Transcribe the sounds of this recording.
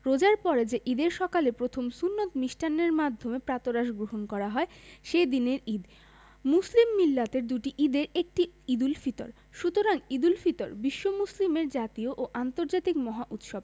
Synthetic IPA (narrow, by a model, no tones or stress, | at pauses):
ɾod͡ʑaɾpɔɾed͡ʑeʔid̪eɾʃɔkalepɾot̪ʰomsunːot̪miʃʈʰanːeɾmad̪ʱːomepɾat̪oɾaʃɡɾoɦonkɔɾaɦɔeʃed̪ineɾid̪ | muslimːilːat̪eɾd̪uʈiʔid̪eɾek̚ʈiid̪ulfit̪o̰ɾ | ʃut̪oɾaŋid̪ulfit̪oɾbiʃːomuslimeɾd͡ʑat̪ioʔoʔant̪oɾd͡ʑat̪ikmɔɦaʔut̪ʃob